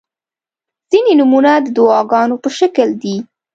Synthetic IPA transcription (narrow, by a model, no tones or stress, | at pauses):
z̥inenumunad̪əd̪ʊɑɡɑnopəʃakəld̪i